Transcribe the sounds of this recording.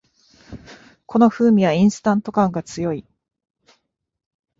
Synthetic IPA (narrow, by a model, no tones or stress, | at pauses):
kʰo̞no̞ɸɯːmʲiβaĩɰ̃sɨ̥t̪ãnt̪o̞kãŋɡat͡sɨjo̞i